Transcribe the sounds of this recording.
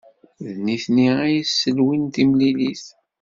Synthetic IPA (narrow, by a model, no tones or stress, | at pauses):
ðniθniæjisːəlwint̪imliliθ